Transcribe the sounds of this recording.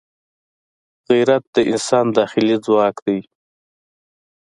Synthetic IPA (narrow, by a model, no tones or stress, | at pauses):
ɣiɾat̪̚d̪əʔɪ̰nsɑːnd̪ɑxɪlid͡zwɑːkd̪aj